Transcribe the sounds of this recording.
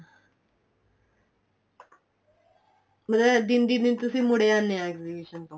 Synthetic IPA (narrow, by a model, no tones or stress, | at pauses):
məd̪ɛd̪ɪnd̪ind̪ɪnt̪ʊsĩːmʊɽeaːnːeãɛkzibiːʃənt̪õː